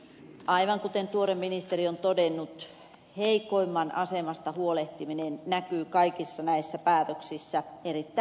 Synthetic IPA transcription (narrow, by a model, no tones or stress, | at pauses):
ʔɑiʋɑŋkut̪ent̪uoɾemːinist̪eriont̪odenːut̪ | heikoimːɑnɑsemɑst̪ɑhuoleht̪iminennækyːkɑikisːɑnæisːæpæːt̪øksisːæerit̪ːæ